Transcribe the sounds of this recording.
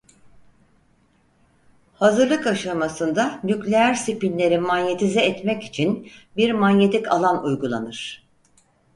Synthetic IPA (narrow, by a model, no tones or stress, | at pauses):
hazɯɾlˠɯkaʃamasɯnd̪anyclʲeæɾsipinlʲe̞ɾimanjet̪ʰizɛɛt̪mɛci̥t͡ʃʰinbiɾmanjet̪ʰikʰa̰lˠanujɡulˠa̰nɯɾ̥